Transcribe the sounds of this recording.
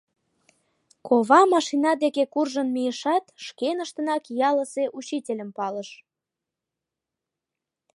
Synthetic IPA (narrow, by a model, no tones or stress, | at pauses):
koβɑmɑʃinɑd̪ekekurʒənmijəʃɑt̪ʃkenəʃt̪ənɑkjɑləseʔut͡ɕitʲelʲəmpɑləʃ